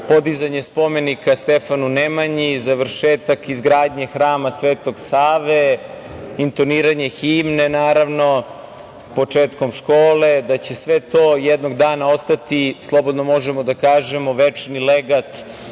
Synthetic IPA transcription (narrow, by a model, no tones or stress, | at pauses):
po̞d̪izaɲe̞spo̞me̞nikast̪efanunemaɲizaʋr̩ʃeːt̪akizɡɾaːd̪ɲe̞xɾaːmasʋeːt̪o̞ɡsaːʋe | int̪o̞niːɾaɲe̞xiːmnenaːɾaʋno̞ | po̞t͡ʂeːt̪ko̞mʃkoːle̞d̪at͡ɕe̞sʋet̪o̞ːjed̪noɡd̪aːnao̞st̪at̪islˠo̞bod̪nomo̞ʒemo̞d̪akaːʒemo̞ʋet͡ʃnileɡat̪